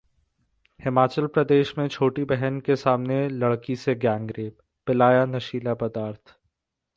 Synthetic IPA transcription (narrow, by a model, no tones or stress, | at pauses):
hɪmaːt͡ʃəlpɾɐd̪eːʃmẽt͡ʃʰoːʈibɛɦənkesaːmnelɐɽkiseɡjãːŋɡɾeːb | pɪlaːjanɐʃiːlapɐd̪aːɾt̪ʰ